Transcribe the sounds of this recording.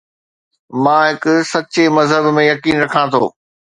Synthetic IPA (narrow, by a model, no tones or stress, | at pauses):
mãːɦɪkʊsɐt͡ɕemɐzɦəbmẽjɐkiːnɾɐkʰãt̪ʰo̰ː